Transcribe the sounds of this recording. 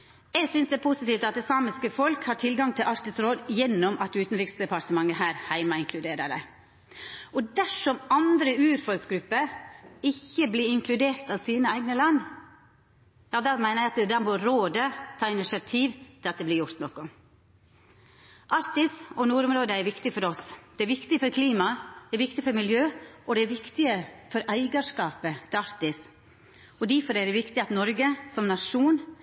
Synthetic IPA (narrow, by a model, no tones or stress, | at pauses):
ɛɡsʏnsd̪ɛːpʰʊsɪt̪iːft̪ɑt̪̚d̪ɛsɑːmɪskəfɔlkhɑʈʰɪlɡɑŋt̪ʰɪlʔɑɾt̪ɪsɾoːd̪jɛnːɔmɑt̪ːʉːt̪n̩ɾɪksd̪ɛpɑɾt̪əmɑŋːəɦæːɾhæɪmɑɪŋkʰlʉd̪eːɾəɾə̰ | ʔɔd̪æʂɔmɑnd̪ɾəʉːɾfɔlsɡɾʉpːəɾɪçːəbliɾɪŋkʰlʉd̪eːɾt̪ɑʋsiːnəæɪɡnəlɑnː | jɑːd̪ɑmæɪnəɛɑt̪ɛd̪æːɾmɛɔɾoːd̪ət̪ʰɑːɪnɪʃɪɑt̪ʰiːʋt̪ʰɪlɑt̪d̪ɛblɪːɾjʊɾt̪nɔkʊ | ʔɑɾt̪ɪsɔnuːɾʊmɾoːd̪əæɾʋɪkt̪ɪfɔɾɔsd̪̥ɛæɾʋɪkt̪ɪfɔɾkʰliːmɑd̪̥ɛæɾʋɪkt̪ɪfɔɾmɪljøːɔd̪ɛæɾʋɪkt̪ɪəfɔɾʔæɪɡəʂkɑːpət̪ʰɪɑɾt̪ɪs | ɔd̪æɾfɔɾæd̪ɛʋɪkt̪ɪɑt̪nɔɾɡəsɔmnɑʂuːn